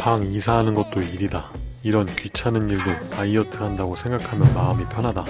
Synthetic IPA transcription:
paŋisʰaɦanɯnɡʌt̚t͈oiɾidaiɾʌnkɥit͡ɕʰanɯniɭdotaiʌtʰɯɦandaɡosʰe̞ŋɡakʰamjʌnmaɯmipʰjʌnɦada

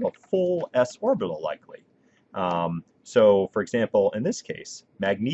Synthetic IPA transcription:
vəfʊlˠɛsɔɹbəɾl̩ˠla̰ɪkʰlḭ | ʔʌ̃m | soʊfə˞ɨɡzæ̃mpl̩ˠɪ̃nðɪskʰeɪs | mæɡ̚ni

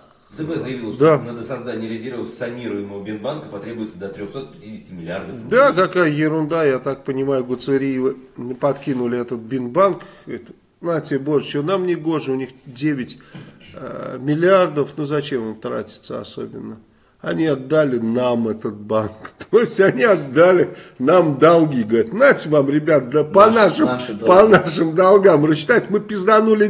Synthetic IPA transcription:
zɨbɛzəjɪvilˠəd̪anad̪əsɐzd̪atʲnʲɪɾʲɪzʲiɾəvəsɐnʲiɾʊjɪməvəbʲɪnbankəpɐt̪ɾʲebʊjɪt̪səd̪ət̪ɾʲoxso̞t̪̚pʲɪ̥tʲidʲɪsʲtʲɪmʲɪlʲɪard̪əfd̪akɐkajəjɪɾʊnd̪ajat̪ak̚pənʲɪmajʊɡʊt̪sɨɾʲijvɨpɐt̪kʲinʊlʲɪɛt̪ət̪̚bʲɪnbank | t̪ʲ | natʲɪbo̞ʐət͡ɕonamnʲɪɡo̞ʐɨʊnʲixdʲevʲɪtʲ | mʲɪlʲɪard̪əfnuzɐt͡ɕemomt̪ɾa̰tʲɪ̥t̪səɐ̰so̞̰bʲɪnːə | ɐ̰nʲiɐd̪ːalʲɪnamɛt̪ət̪̚bankt̪ʰoɪsʲtʲɐnʲiɐd̪ːalʲɪnamd̪alˠɡʲiɡəɐɾʲt̪natʲɪvamɾʲɪbʲat̪d̪apɐnaʂɨmpɐnaʂɨmd̪alˠɡamrəɕːɪ̥t̪ajt̪ʲmɨpʲɪzd̪ɐnulʲɪ

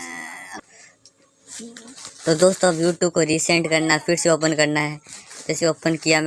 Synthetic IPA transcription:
t̪od̪oːst̪oɐbjuːʈukoɾiːsɛ̃ɳʈkɐɾnapʰɪɾseoːpənkɐɾnaɦɛːd͡ʒɛːseoːpənkijam

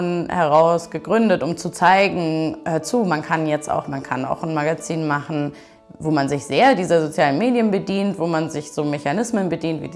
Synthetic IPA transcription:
nhɛʁaʊsɡ̥əɡʁʏndətʊmt͡sut͡saɪɡŋ̩ʔɛt͡suːmankʰanjɛt͡sta̰ʊxmankʰana̰ʊxn̩maɡat͡siːnmaχn̩ | voːmanzɪçz̥eːɐdiːzɐzot͡sjaːlənmeːdjənbədiːntv̥oːmanzɪçz̥oːmeçanɪsmənbədiːntv̥iːdi

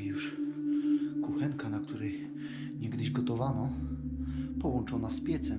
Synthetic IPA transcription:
juʂ | kuxɛŋkanakt̪uɾɛj | ɲɛɡd̪ɘʑɡɔt̪ɔvanɔ | pɔwɔnt͡ʂɔnaspʲjɛt̪sɛ

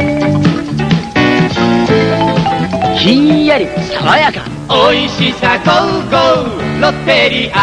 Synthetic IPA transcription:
ɕĩɲ̃jaɾʲisaɡajaka̰ | oiɕisakoɯɡoɯnot̪eɾʲiʔa

